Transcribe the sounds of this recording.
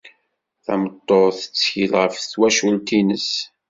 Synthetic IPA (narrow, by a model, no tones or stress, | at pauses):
θæ̰mət̪ˤːoðθə̥t͡sːçilʁəfθwæʃult̪inəs